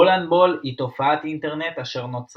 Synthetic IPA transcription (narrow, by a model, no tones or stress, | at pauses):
olanbo̞lit̪o̞faat̪int̪e̞ʁne̞t̪aʃe̞ʁno̞t͡s